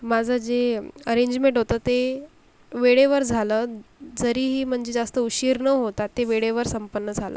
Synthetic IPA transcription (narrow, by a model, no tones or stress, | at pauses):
mad͡zʱəd͡zeəɾeɲd͡ʑmẽɳʈɦot̪əːt̪e | ʋeɽeʋəɾd͡zʱaləːd͡zəɾiːɦiːm̤əɳd͡zed͡zast̪əuɕiːɾnəɦot̪at̪ːeʋeɽeʋəɾsəmpənːəd͡zʱalə̰ː